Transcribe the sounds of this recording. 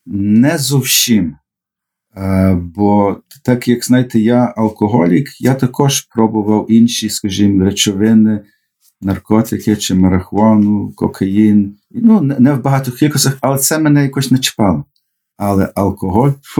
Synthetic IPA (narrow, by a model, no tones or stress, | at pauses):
nɛzɔwsʲim | bɔ | t̪ɑkjɐkznɑjt̪ɛjaɐlˠkɔɦɔlʲikjat̪ɐkɔʒpɾɔbʊʋɐwinʃiskɐʒimɾet͡ʃɔʋɪnɪ | nɐrkɔt̪ɪkɪt͡ʃɪmɐɾɐxʊɑnʊkɔ̰kʰɐjin | nunɛnɛwbɐɦɑt̪ɔxkʲilʲkɔsʲɐxɐlˠɛt̪sɛmɛnɛjɐkɔʃʲnɛt͡ʃɪ̥pɑlˠɔ | ɑlˠɛ̰ʔɐlˠkɔɦɔlʲ